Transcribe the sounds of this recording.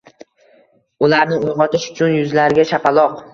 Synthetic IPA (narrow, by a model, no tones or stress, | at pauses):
ʊlaɾnɪojʁɒt̪ʰɪʃʊ̥t͡ʃʰʊnjʊzlaɾɡʲaʃapʰalˠɒq